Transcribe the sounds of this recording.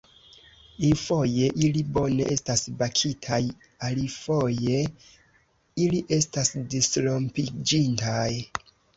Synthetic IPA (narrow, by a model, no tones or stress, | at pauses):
ifo̞je̞ʔilibo̞ne̞̰ʔe̞stasbakʰitʰaj | alifo̞je̞ | iliʔe̞stasdislompid͡ʒintaj